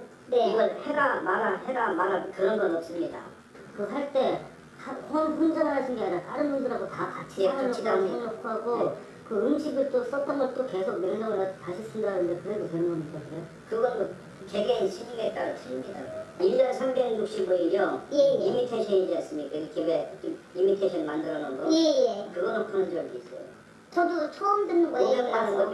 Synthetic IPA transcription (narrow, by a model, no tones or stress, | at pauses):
ne̞iɡʌɭhe̞ɡamanahe̞ɡamanakɯɾʌnɡʌnʌp̚s͈ɯmɲida̰ | kɯɦaɭt͈e̞ | ahonpʰund͡ʑanaaɕʰinɡeaɲat͈aɾɯnbundɯɾadotakat͡ɕʰiaɯt͡ɕʰidaoŋnokʰaɡo | kɯɯmɕʰiɡɯɭt͈os͈ʌt̚t͈ʌnɡʌɭt͈oke̞sʰok̚mjʌɭɲːʌŋɯɾataɕʰis͈ɯndɾanɯndekɯɾe̞dotenɯŋɡʌnitaneo | kɯɡʌn | t͡ɕeɡenɕʰiɲimet͈aɾɯtʰɯɾimɲidaid͡ʑʌnsʰambe̞ɡɲuk̚ɕ͈iboiɾjʌjeimitʰeɕʰʌnid͡ʑians͈ɯmɲikaiɡekeet͡ɕom | imitʰeɕʰʌnmandɯɾʌnɯnɡʌjejekɯɡʌnokʰɯnɯnd͡ʑʌɭdois͈ʌjo̰ | t͡ɕʌdot͡ɕʰoʌmdɯnːɯnɡʌʌŋmanɯɡʌ